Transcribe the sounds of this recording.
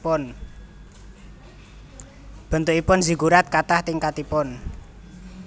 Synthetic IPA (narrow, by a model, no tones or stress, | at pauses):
ʊn | b̥ə̤nt̪ʊʔipʊnzi̤ɡuɾat̪̚kat̪aht̪ɪŋkat̪ipʊn